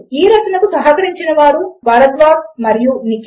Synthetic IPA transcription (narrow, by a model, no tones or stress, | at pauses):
iːɾɐt͡ʃɐnɐkusɐɦɐkɐɾiɲt͡ʃinɐʋaːɾuʋɐːlɐd̪ʋaːɡmɐɾijunik